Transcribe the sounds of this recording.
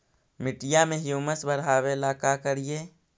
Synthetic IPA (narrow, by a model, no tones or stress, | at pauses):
mɪʈɪjamẽɦjuːməsbəɾɦaːwelaːkakəɾijeː